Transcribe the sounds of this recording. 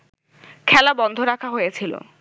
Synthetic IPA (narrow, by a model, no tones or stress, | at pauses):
kʰɛlabɔnd̪ʱoɾakʰaɦojet͡ɕʰilo̰